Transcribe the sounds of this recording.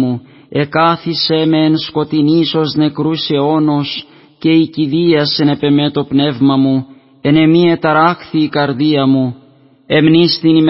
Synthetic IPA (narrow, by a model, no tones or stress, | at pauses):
u | e̞kɐθise̞me̞ːnsko̞t̪iniso̞zne̞kɾuseo̞nos | ce̞iciðiɐsene̞pe̞me̞t̪o̞pne̞vmɐmu | e̞ne̞mie̞t̪ɐɾɐxθiːkɐɾðiɐmu | e̞mnist̪inim